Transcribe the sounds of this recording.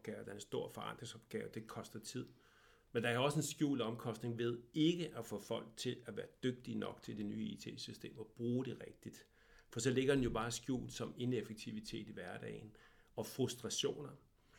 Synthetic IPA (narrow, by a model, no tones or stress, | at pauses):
ɡ̥ɛːʊd̥ɑɐensd̥o̝ɐ̰fɒ̽ɑ̈nd̥ʁeŋsɒb̥ɡ̥ɛ̰ːʊd̥e̝kʰɒ̽sd̥ɐt͡sʰið̞̰ˠ | mend̥ɑ̈æɐɒ̽səe̝nsɡ̥jṵːlɒ̽mkʰɒ̽sd̥ne̝ŋʋe̝ðˠe̝ɡ̥əʔæfɔfɒ̽l̰ɡ̥̚t͡sʰe̝læʋæːɐd̥øɡ̥̚d̥inɒ̽ɡ̥̚t͡sʰe̝ld̥e̝ny̰ːḭt͡sʰe̝̰ːsysd̥e̝̰ːmɒb̥ʁuːɾ̥e̝ʁeɡ̥̚d̥id̥ | fɒsɒ̽le̝ɡ̥ɐd̥enjo̝b̥ɑ̈ːsɡ̥jṵːlsɒ̽me̝nefeɡ̥̚t͡sʰiʋit͡sʰe̝̰ːd̥iʋæɐd̥ɛ̰ɪn | ɒ̽fʁusd̥ʁɑ̈ɕo̝̰ːnɐ